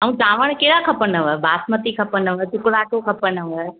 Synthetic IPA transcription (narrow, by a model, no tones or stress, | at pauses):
əɦũtãːʋəɽ̃keɽakʰɐpənəʋəbʱaːsmət̪ikʰɐpənəʋət͡ʃʊkɽaːʈʰokʰɐpənəʋə